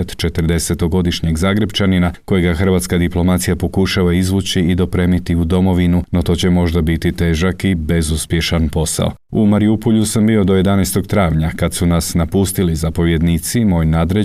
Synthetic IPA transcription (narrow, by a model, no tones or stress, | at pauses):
t̪t͡ʃe̞t̪ər̩d̪e̞se̞t̪o̞ɡo̞d̪iʃɲeɡzaːɡɾept͡ʃaninako̞jeɡaxər̩ʋaːt̪skad̪iplˠo̞mat̪sijapo̞kuʃaʋaizʋuːt͡ɕiːd̪o̞pɾe̞ːmit̪iud̪o̞mo̞ʋinuno̞t̪o̞ːt͡ɕemo̞ʒd̪abit̪it̪e̞ːʒakibe̞zuspje̞ʃanpo̞sa̰o | umaɾiupoʎusambio̞d̪o̞je̞d̪anɛst̪o̞ɡt̪ɾaːʋɲakad̪sunasnapust̪ilizapo̞ʋjed̪nit̪simo̞ːjnaːd̪ɾe